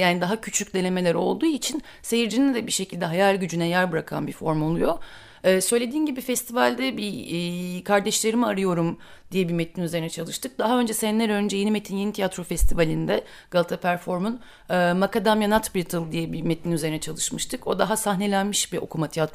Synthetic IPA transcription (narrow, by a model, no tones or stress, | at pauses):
jaːnid̪aɦacʰyt͡ʃʰycʲd̪e̞ne̞me̞lʲæɾo̞̰lˠd̪uːit͡ʃʰin | sejiɾd͡ʒind̪ɛbiʃe̞cʰilʲd̪ɛɦajalʲɟyd͡ʒynɛjæɾbɯɾakʰa̰nbifo̞ɾmo̞lˠujo̞ː | sø̞jlʲe̞d̪iːnɟibifɛst̪ʰivalʲd̪ɛbi | kʰaɾd̪ɛʃlʲe̞ɾimiaɾɯjo̞ɾum | d̪̥ijɛbimet̪ʰinyze̞ɾinɛt͡ʃʰalˠɯʃt̪ʰɯk̚d̪aɦaø̞nd͡ʒɛsɛnlʲæɾø̞nd͡ʒɛje̞nimet̪ʰinjenit̪ʰijat̪ɾo̞fɛst̪ʰivalʲind̪ɛ | ɡ̥alˠt̪ʰapʰæɾfo̞ɾmunː | makad̪amjanat̪bilʲit̪ʰɯlˠd̪ijɛbimet̪ʰinyze̞ɾinɛt͡ʃʰalˠɯʃmɯʃt̪ʰɯko̞d̪aɦasaɦne̞lʲænmiʃbiʔo̞̰kʰumat̪ʰijat̪ɾ